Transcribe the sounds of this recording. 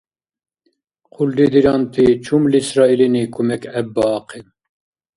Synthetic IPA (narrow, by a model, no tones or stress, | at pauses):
qʰuld̪id̪iɾɑːnt̪ʰit͡ʃʰumlisɾɑːilinikʰumɛkɛbːɑːqim